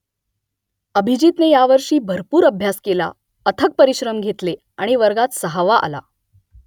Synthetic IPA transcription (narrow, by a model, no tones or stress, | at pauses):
əbʱid͡ʑiːt̪nejaʋəɾʂiːbʱəɾpuːɾəbʱjaskela̰ | ət̪ʰək̚pəɾiɕɾəmɡʱet̪le | aɽ̃iʋəɾɡat̪səɦaʋaʔa̰la̰